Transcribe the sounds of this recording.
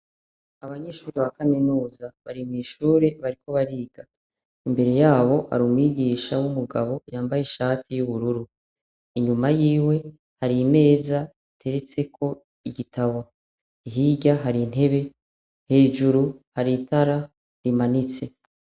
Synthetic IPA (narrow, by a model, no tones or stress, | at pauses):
aβaɲe̞ːʃuːɾewakaminuːzaβaɾimŋiːʃuːɾe̞βaɾiko̞βaɾiːɡa | imbe̞ɾe̞jaːβo̞ha̰ɾuːmwiɟiːʃawumuɡaβo̞jaːmbajeʃaːtʰijuβuɾuɾu | iɲumajiːwe̞ | haɾime̞ːza | itʰe̞ɾe̞t͡se̞kʰo̞ | iɡitʰaβo | iɦiɟaɦaɾin̥he̞βe̞ | he̞ːʒuɾuhaɾitʰaɾa | ɾimanit͡se̞